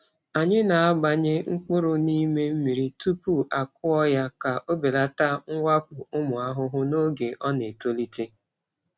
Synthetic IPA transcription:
a˨ɲɪ˦na˨a˦ɡ͡ba˨ɲɪ˦ŋ̩˦k͡pʊ˦ɾʊ˨ni˦me˦m̩˦mi˨ɾi˨tu˦pu˦ʔa˨kʊ˦ɔ˦ja˦ka˨ʔo˦be˨la˨ta˦ŋ̩˦wʷa˦k͡pʊ˨ʊ˦mʊ˨a˦ɦʊ˦ɦʊ˦no˦ɡe˨ʔɔ˦ne˨to˦li˦te˦

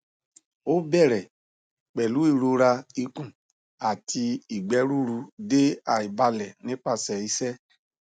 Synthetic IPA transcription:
o˦bɛ˦˨ɾɛ˨ | k͡pɛ˨lu˨˦i˦˨ɾo˧ɾa˧i˧kũ˨ | a˨tʰi˧i˨ɡ͡bɛ˨˦ɾu˦ɾu˧de˦a˦˨i˨ba˧lɛ˨nĩ˨˦k͡pa˧˨sɛ˨i˨˦sɛ˦

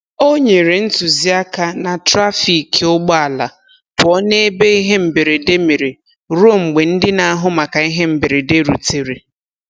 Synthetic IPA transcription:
o˦ɲe˨ɾe˨n̩˦tu˨zi˦a˦ka˦na˨tɾa˦fi˨kʊ˦ɡ͡ba˦a˨la˨ | pɔ˦ne˦e˦be˦i˦ɦe˦m̩˨be˨ɾe˨de˦me˨ɾe˨ | ɾo˦ŋ͡m̩˨ɡ͡be˨n̩˦dɪ˦na˨a˦ɦʊ˦ma˨ka˨i˦ɦe˦m̩˨bɪ˨ɾe˨de˦ɾu˨te˨ɾe˨

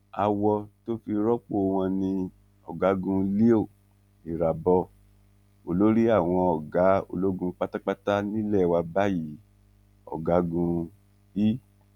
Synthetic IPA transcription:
a˧wɔ˧to˦fi˧ɾɔ˦k͡po˦˧w̃ɔ̃˧nĩ˧ | ɔ̰˨ɡa˨˦ɡũ˧li˦o˦˨ | i˨ɾa˨bɔ˧˦ | o˨lo˦ɾi˦a˦˨w̃ɔ̃˧ɔ˨ɡa˨˦o̰˧lo˦ɡũ˧k͡pa˦ta˦k͡pa˦ta˦nĩ˦lɛ˦˨wa˧ba˦ji˨˦ | ɔ̰˨ɡa˨˦ɡũ˧ | bi˦

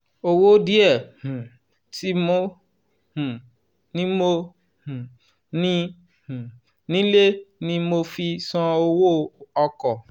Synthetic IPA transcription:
o˧wo˦di˦ɛ˦˨hũ˨ | ti˦mo˦ | hũ˨ | nĩ˦mo˧ | hũ˨ | nĩ˦ | hũ˨ | nĩ˦le˦nĩ˦mo˧fi˧sɔ̃˧o˧wo˦ɔ˧kɔ˨

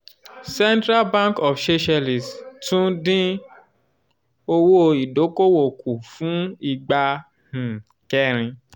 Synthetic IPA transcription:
sɛ˦ntɾa˦lbã˦kɔ˨fʃe˦ʃɛ˧li˨stũ˦dĩ˦ | o˧wo˦i˨do˨˦ko˦wo˨ku˨fũ˨˦i˨ɡ͡ba˧ | hĩ˨ | kɛ˦˨ɾ̃ĩ˧

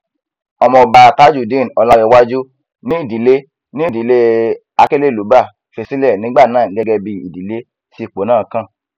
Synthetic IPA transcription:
ɔ˧mɔ̃˧˨ba˧ta˦d͡ʒu˦˨dẽ˦˨n˨ɔ˧˨la˧wɛ˧˦wa˦d͡ʒu˦ | nĩ˦i˦˨di˨˦le˦ | nĩ˦i˦˨di˨˦le˦ | a˧ke˦le˦˨lu˨˦ba˦˨ | fe˧si˦lɛ˦˨nĩ˨˦ɡ͡ba˦˨nãː˦˨˦ɡɛ˧ɡɛ˧bi˧ḭ˨di˨le˨˦ | si˧˦˨k͡po˨˦nãː˦˨˦kã˦˨

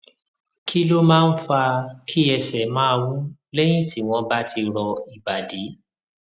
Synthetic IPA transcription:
kʰi˦lo˦mãː˦˧n̩˦fa˧kʰi˦ɛ˧sɛ˨mãː˦˧wũ˦lɛ˦j̃ĩ˦˨tʰi˨˦w̃ɔ̃˧ba˦ti˧ɾɔ˧i˨ba˨di˨˦

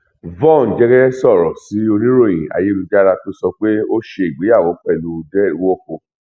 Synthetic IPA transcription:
vɔ̃˦˨n˨d͡ʒɛ˦ɡɛ˦ɛ˦sɔ˦˨ɾɔ˨si˨˦o˧nĩ˦ɾo˦˨j̃ḭ̃˨a̰˨je˦lu˧d͡ʒa˦ɾa˧to˦sɔ˧k͡pe˦o˦ʃe˧i˨ɡ͡be˨˦ja˦˨wo˨˦k͡pɛ˦˨lu˨˦dɛ˦˨˦wo˦ko˧

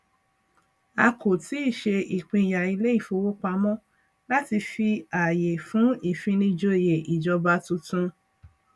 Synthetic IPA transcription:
a˧ko˨ti˨˦i˦˨ʃe˧i˨k͡pĩ˧i˨ja˨i˧le˦i˦˨fo˧wo˦k͡pa˧mɔ̃˦ | la˦ti˧fi˧a˨je˨fũ˨˦i˦˨fĩ˧nĩ˧d͡ʒo˧˨je˨ʔi˨d͡ʒɔ˧ba˧tũ˧tũ˧

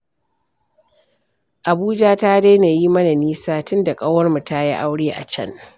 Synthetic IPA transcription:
ʔa˨buː˦d͡ʒaː˦ta˦da˦jna˨ji˦mɐ˦na˨niː˦saː˦tʊ˦nda˨kʼa˦wɐ˦rmu˨ta˦ja˦ʔa˦wɽeː˦ʔa̰˨t͡ʃɐ̰˦n

